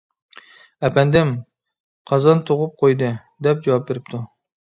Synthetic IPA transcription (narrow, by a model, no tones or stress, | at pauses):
æpʰænd̪ɪm | qʰɑzɑnt̪ʰoʁʊp̚qʰojd̪ɨ | d̪ɛp̚d͡ʒɑwɑp̚beɾɪp̚t̪ʰʊ